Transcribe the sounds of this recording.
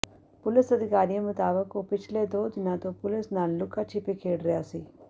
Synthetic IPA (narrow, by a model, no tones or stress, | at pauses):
pulesɐd̪ʱikaːɾijɐmut̪aːʋɐkopit͡ʃleːd̪oːd͡ʒinaːt̪oːpulesnaːllukɐt͡ʃipikʰeːɖɾjaːsi